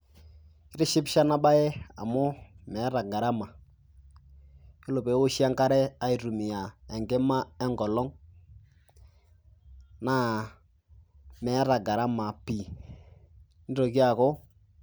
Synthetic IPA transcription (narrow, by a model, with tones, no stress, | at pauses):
kɪ˦ɾɪ˦ʃɪ˦pʃa˦na˦ba˦ɛ˦a̰˨mʊ˦mɛ˨˦ɾa˨ɡa˨ɾa˦ma˨ | jo˦lo˨pe˨˦wo˦ʃja˦ŋka˦ɾɛ˦a˦i˨ɾu˨mɪ˨ja˨ɛ˨ŋɡe˦ma˦ɛ˦ŋɡɔ˨lɔ˦ŋ | na˦ | mɛ˨˦ɾa˨ɡa˨ɾa˦ma˨pi˨˦ | n˦o˨ki˦a˨kɔ˦